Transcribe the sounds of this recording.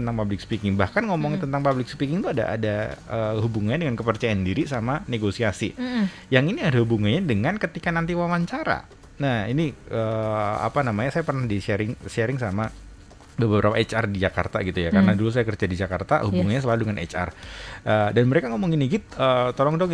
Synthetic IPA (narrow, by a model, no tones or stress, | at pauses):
ənt̪aŋpablɪk̚sə̥pikɪŋbahkanŋomɔŋɲat̪ənt̪aŋpablɪk̚sə̥pikɪŋt̪uada̰ʔa̰daəɦhubuŋaɲadəŋankəpərt͡ʃajandiɾisamaneɡosiasi | jaŋiniadahubuŋaɲadəŋankət̪ikanant̪iwawaɲt͡ʃaɾa̰ | nahiniəa̰panamaɲasajapərnahdiʃeɾɪŋʃeɾɪŋsama | bəbəbəɾapaet͡ʃardid͡ʒaka̰rt̪aɡit̪ujakkarnadulus̬ajakərt͡ʃadid͡ʒakart̪a̰hubuŋanɲas̬əlaludəŋanʔḛt͡ʃa̰rʔədanməɾekaŋomɔŋiniɡit̪̚ət̪olɔŋdɔ